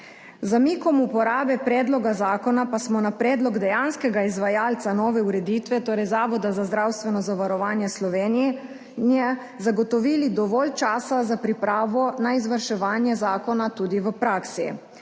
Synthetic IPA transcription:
zamiːkɔmupɔɾaːbɛpɾɛːd̪lɔɡazaːkɔnapasmɔnapɾɛːd̪lɔɡd̪ɛjaːnskɛɡaizʋajaːlt̪sanɔːʋɛuɾɛd̪iːt̪ʋɛt̪oːɾɛjzaːʋɔd̪azazd̪ɾawst̪ʋɛnɔzaʋaɾɔʋaːnjɛslɔʋeːnijɛ | nijɛ | zaɡɔt̪ɔʋiːlid̪ɔʋɔːlt͡ʃaːsazapɾipɾaːʋɔnaizʋəɾʃɛʋaːnjɛzaːkɔnat̪uːd̪iʋəpɾaːksi

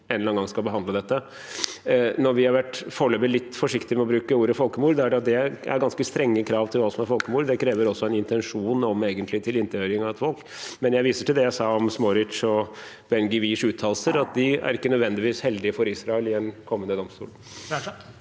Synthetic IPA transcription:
ɛnlɑnɡɑŋskɑlbəɦɑnd̪əd̪ɛt̪ːə | nɔɾʋɪhɑɾʋæʈfɔɭøːʋəlɪt̪ːfɔʂɪkt̪ɪmɛɔbɾʉːkəuːɾəfɔlkəmuːɾdɔæɖɛɑt̪̚d̪ɛæ̰ɾɡɑnskəst̪ɾɛŋːəkʰɾɑːʋt̪ʰɪlʋɑːsɔmæɾfɔlkəmuːɾd̪ɛkʰɾeːʋəɾɔsːɔɛnɪnt̪ɛnʂuːnɔmeːɡənt̪lɪt̪ʰɪlɪnt̪əhøːɾɪŋɑʋɛt̪fɔlk | mɛnjæɪʋiːsəʈɪld̪ɛjæɪsɑːɔmsmɔɾɪt̪ʂɔ | b̥ɛnɡɪʋiːʂʉːt̪ʰːɑːl̩səɾɑt̪̚d̪ɪæ̰ɾɪkːənœd̪ʋɛnd̪ɪʋiːshɛld̪ɪəfɔɾisɾɑɛlɪɛnkʰɔmːənd̪əd̪ɔmst̪ṵːl

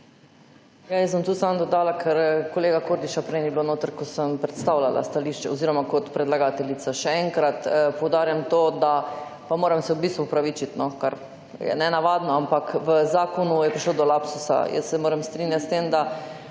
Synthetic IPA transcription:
jajəsbəmt̪ut̪sand̪ɔd̪aːlakʰɛɾkoleːɡakoɾd̪iʃapɾɛjnibilonoːt̪əɾkɔsəmpɾɛt̪st̪aːwlala̰st̪aliʃt͡ʃɛoziːɾɔmakɔt̪pɾɛd̪laɡaːt̪ɛlit̪saʃɛɛŋkɾat̪powd̪aːɾjamt̪oːd̪a | pamoːɾɛmsɛubist̪ʋuːpɾaʋit͡ʃit̪nɔkaɾ | jɛ̰nɛnaʋad̪nɔampakʋəzaːkɔnujɛpɾiʃloːd̪ɔlapsusa̰jə̰sːɛmoːɾɛmst̪ɾinjat̪st̪emd̪a

